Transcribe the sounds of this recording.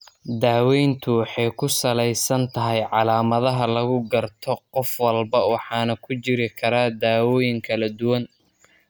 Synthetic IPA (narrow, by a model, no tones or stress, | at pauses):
d̪aːwɛjnt̪ʰʊwɑħɑjkʰʊsɐlɛjsɐnt̪ʰɐɦɛjʕɑlaːmɐðɐɦɐlɐɣʊɡɐrt̪ʰɔqɔfwɐlbɐwɑħɑːnɐkʰʊt͡ʃɪɾɪkʰɐɾaːd̪aːwɔːjɪŋkʰɐlɐd̪ʊwɐn